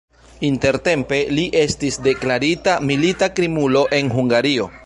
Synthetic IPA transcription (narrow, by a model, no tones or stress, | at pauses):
inte̞ɾte̞mpe̞liʔe̞stisde̞klaɾitamilitakɾimulo̞ʔe̞nɦuŋɡaɾio